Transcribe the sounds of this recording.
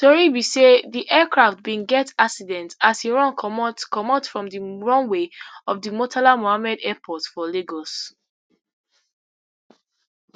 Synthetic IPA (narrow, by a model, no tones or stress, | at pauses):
tɔɹibiseðiʔɛkɹaft̚bĩnɡɛtaksidɛ̃ntaseɹɔ̃nkmtkɔmɔtsfɹɔ̃mdiɹɔ̃nweɔfdimɔtʰalamohamɛdɛpʰɔtfɔleɡos